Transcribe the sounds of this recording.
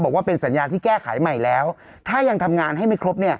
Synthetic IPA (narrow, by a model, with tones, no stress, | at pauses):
bɔː˨˩kwaː˥˩pe˧nsa˩˦njaː˧t̪ʰiː˥˩kɛː˥˩kʰa̰˩˦jma˨˩jlɛː˦˥w | t̪ʰaː˥˩ja˧ŋt̪ʰa˧mŋaː˧nɦa˥˩jma˥˩jkʰɾo˦˥p̚ni˥˩ɐ